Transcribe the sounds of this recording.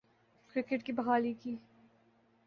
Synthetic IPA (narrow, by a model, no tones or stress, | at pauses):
kɾɪkeʈkibɐɣaːlikiː